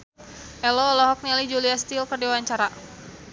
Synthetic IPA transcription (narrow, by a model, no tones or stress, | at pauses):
ʔɛlɔːlɔɦɔk̚nialid͡ʒuliast̪ilkərdiwaɲt͡ʃaɾa